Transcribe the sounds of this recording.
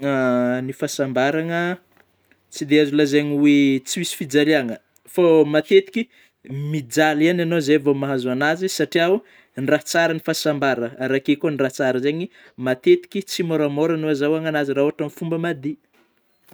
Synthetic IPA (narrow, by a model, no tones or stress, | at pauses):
anifasambaɾaŋə | t͡sid̪eazulazeɲiwet͡siwisi̥fid͡zaleaŋə | fomat̪et̪i̥kʲi | mid͡zaliananozevomaɦazuanazisaʈ͡ʂiau | nrat͡saɾənifasambaɾəɾakekoniraht͡saɾəzeɲi | mat̪et̪i̥kʲit͡simoɾamoɾanuazawaŋanaziraoaʈ͡ʂamifumbəmad̪i